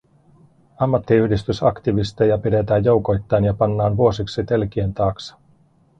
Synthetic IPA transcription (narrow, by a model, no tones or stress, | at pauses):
ɑmːɑt̪ːiyhdist̪ysɑkt̪iʋist̪ejɑpide̞t̪æːjjo̞wko̞jt̪ːɑjnjɑpɑnːɑːnʋuo̞siksit̪e̞lk̟ient̪ɑːksɑ̥